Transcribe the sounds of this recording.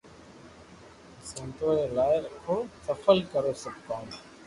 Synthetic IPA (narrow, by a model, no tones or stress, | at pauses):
sə̃ːt̪oːɾeːlaːɪɾkʰoːsəfəlkəɾoːsəb̚kõːn